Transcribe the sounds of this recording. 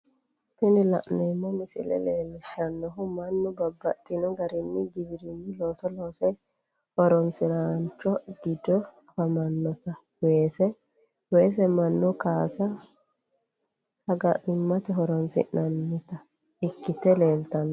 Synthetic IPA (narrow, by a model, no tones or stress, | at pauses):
t̪ːɪnɪlɐ̰ʔnɛmːɔmɪsɪ̰lɛ̰leːlːɪʃɐnːɔɦʊmɐnːʊbɐbːɐt̪ʼːɪnɔɡɐɾɪnːɪɡɪbɪɾɪnːɪlo̞ːsɔloːsɛj | hɔɾɔnsɪɾaːnt͡ʃːɔɡɪd̪ɔ | hɐmɐnːɔt̪ɐ | weːsɛ | we̞ːs̬ɛmɐnːʊkaːsɐ | sɐɡɐʔɪmːɐt̪ɛɦɔɾɔnsɪ̰ʔnɐnːɪt̪ɐ | ɪkːɪt̪ɛle̞ːlt̪ɐnːɔ